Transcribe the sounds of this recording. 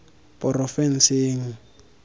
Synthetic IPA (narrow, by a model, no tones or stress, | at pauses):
pɔrɔfɛn̩seːŋ̩